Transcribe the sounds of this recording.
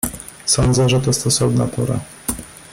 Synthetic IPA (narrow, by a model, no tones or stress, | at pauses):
sɔnd̪zɛʐɛt̪ɔst̪ɔsɔvna̰pɔɾa̰